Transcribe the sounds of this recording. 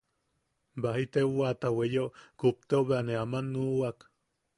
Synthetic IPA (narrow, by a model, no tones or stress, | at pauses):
baɦit̪euat̪awejokup̚t̪eoβeaneamanuːak